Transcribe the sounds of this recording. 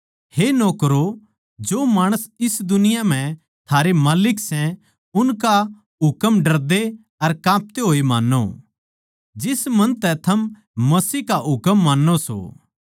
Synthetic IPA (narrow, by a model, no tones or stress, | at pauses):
henoːkɾo | d͡ʒoːmaːɽ̃əsɪsd̪ʊnɪjam̤ɛ̃ | t̪ʰaːɾemaːlɪksɛ̃ | ʊnka | ɦʊkəmɖɐɾd̪e | ɐɾkãːp̚t̪eɦoːimãːnːo̰ | d͡ʒɪsmɐ̃nt̪ɛt̪ʰɐm | mɐsiːkaɦʊkəmːaːnːoso̰